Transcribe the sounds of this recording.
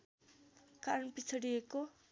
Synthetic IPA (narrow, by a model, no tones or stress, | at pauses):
kaɾnpit͡sʰʌɽijeko